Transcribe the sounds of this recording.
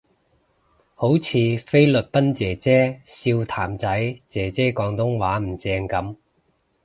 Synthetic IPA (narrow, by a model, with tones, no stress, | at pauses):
ho˨˥wt͡sʰiː˨˧fe˥jlɵ˨t̚pɐ˥nt͡sɛː˨˩t͡sɛː˥siː˧wt̪ʰaː˨˩mt͡sɐ˨˥jt͡sɛː˨˩t͡sɛː˥kɔː˨˧˥ŋt̪ʊ˥ŋwaː˨˥m̩˨˩t͡sɛː˧ŋkɐ˨˥m